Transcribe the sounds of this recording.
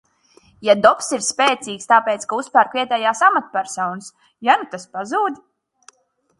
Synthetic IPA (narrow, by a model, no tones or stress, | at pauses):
jad̪ɔpsiɾspɛːt̪siːkst̪aːpɛːt̪skauspæɾkvʲiɛt̪ɛːjaːsamat̪pʲæɾsɔwns | janut̪aspazuːd̪ʲ